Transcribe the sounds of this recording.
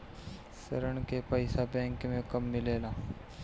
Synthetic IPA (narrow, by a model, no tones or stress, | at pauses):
sə̰ɾəɳ̃kepɐɪsabɛ̃ːŋkmẽkɐmːɪleːlaː